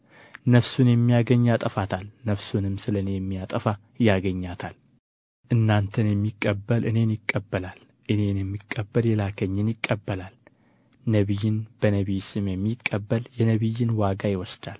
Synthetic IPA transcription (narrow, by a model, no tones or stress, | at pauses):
nəfsunjɛmːijaɡəɲːat̪ʼəfat̪ʰalnəfsunɨmːsɨlənejɛmːijat̪ʼəfa | jaɡəɲːat̪ʰal | ʔɨnːant̪ʰənjɛmːikʼːəbːəlʔɨne̞njɪkʼːəbːəlal | ʔɨne̞njɛmːikʼːəbːəljɛlakʰəɲːɪnjɪkʼːəbːəlal | nəβijːɪnb̥ənəβijsɨmjɛmːikʼːəbːəljɛnəβijːɪnwaɡajɪwɔsd̪̥al